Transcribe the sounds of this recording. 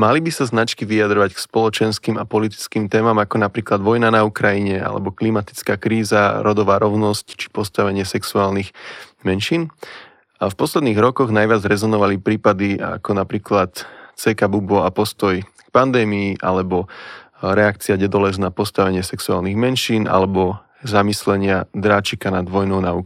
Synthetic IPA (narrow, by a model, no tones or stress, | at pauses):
malibisaznat͡ʃkiʋiad̪ɾɔʋackspɔlɔt͡ʃɛnskiːmapɔlit̪i̥t͡skiːmt̪ɛːmamakɔnapɾiːklad̪ʋɔjnanaukɾajiɲɛa̰lɛ̰bɔklimat̪i̥t͡skaːkɾiːzaɾɔd̪ɔʋaːɾɔʊnɔsct͡ʃi̥pɔst̪aʋɛɲɪɛsɛksuaːlniɣmɛnʃiːn | afpɔslɛd̪niːɣɾɔkɔɣnajʋɪad͡zɾɛzɔnɔʋalipɾiːpad̪ia̰kɔnapɾiːklat̪t͡sɛkabubɔapɔst̪ɔj | k̚pand̪ɛːmiːʔa̰lɛbɔ | ɾɛakt͡siaɲɛd̪ɔlɛznapɔst̪aʋɛɲɪɛsɛksua̰ːlniɣmɛnʃiːnʔa̰lɛbɔ | zamislɛɲɪad̪ɾaːt͡ʃikanad̪ʋɔjnɔʊnau